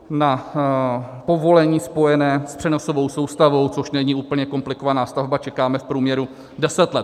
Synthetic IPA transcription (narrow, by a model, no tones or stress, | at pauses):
na | po̞vo̞lɛɲiːspo̞jɛnɛːspr̥ɛno̞sovo̞wso̞wst̪avo̞wt͡soʃnɛɲiʔuːpl̩ɲɛko̞mplɪko̞vanaːst̪avbat͡ʃɛkaːmɛfpɾuːmɲɛɾu | dɛsɛt̪lɛt̪